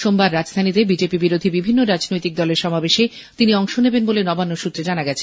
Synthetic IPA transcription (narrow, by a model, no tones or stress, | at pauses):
ʃombaɾːad͡ʑst̪ʰanit̪ebid͡ʑepibiɾod̪ʱibibʱinːoɾad͡ʑnojt̪ik̚d̪ɔleɾʃɔmabeʃe | t̪iniɔŋʃonebenbolenɔbanːoʃut̪ːɾed͡ʑanaɡɛt͡ɕʰe